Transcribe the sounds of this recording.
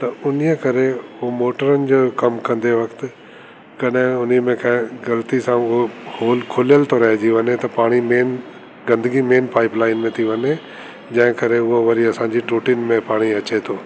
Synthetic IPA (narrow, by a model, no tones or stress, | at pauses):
t̪ɐʊnijəkɐɾeʊomoːʈəɾənɪ̆d͡ʑoːkɐmkɐ̃nd̪eʋɐkt̪ɪ | kɐɗɦɪ̃ʊniəmẽkɐ̃ɪ̃ɡɐlt̪isãʊɦohoːlkʰʊlijəlt̪ʰoɾɐɦed͡ʑiʋɐnet̪ɐpaːɽ̃imeːn | ɡɐ̃nd̪əɡimeːnpaːɪplaːɪnmẽt̪ʰiʋɐne | d͡ʑɐ̃ɦɪ̃kɐɾeʊɦoʋɐɾiɐsãːɲd͡ʑiʈuːʈiːnmẽpaːɽ̃iɐt͡ɕet̪ʰoː